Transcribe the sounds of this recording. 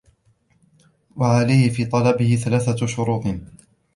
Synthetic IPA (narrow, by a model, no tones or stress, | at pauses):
waʕalajhɪfiːt̪ˤɑlɑbɪhɪθalaːθaʃʊɾuːt̪ˤ